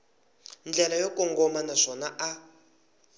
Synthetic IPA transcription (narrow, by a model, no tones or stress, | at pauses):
nd͡ɮɛlajokɔŋɡɔmanaʂɔnaʔa